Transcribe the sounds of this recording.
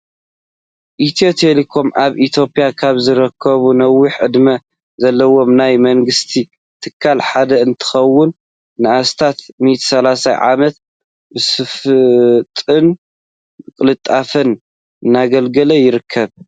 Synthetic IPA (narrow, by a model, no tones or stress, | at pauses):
ʔit̪ʰijo̞t̪ʰelikʰo̞mʔaβʔit̪ʰjo̞pʼjakʰaβzɨɾɐkʰːɐβunɐwːiħɨd̪mɐ | zɐlːɐwo̞mnajmɐŋɡɨst̪ʰi | t̪ʰɨkʰːalħad̪ɐɨnt̪ʰɨ̥xɐwːʊnː | ɨʔast̪ʰat̪mit̪ʰsɐlasa̰jʕa̰mɐt̪ | bɨsɨf | t̪ʼɨn | kʼɨlɨt̪ʼːafɨn | ɨnːaɡɐlɡɐlɐjɪɾɨkʰːɐβ